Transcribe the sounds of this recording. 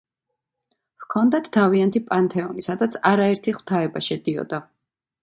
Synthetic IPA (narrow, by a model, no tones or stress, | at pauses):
vkʰɔnd̪at̪ʰːaviant̪ʰipʼant̪ʰɛɔnisad̪at̪sʰaɾaɛɾt̪ʰiχw̥t̪ʰaɛbaʃɛd̪iɔ̰d̪a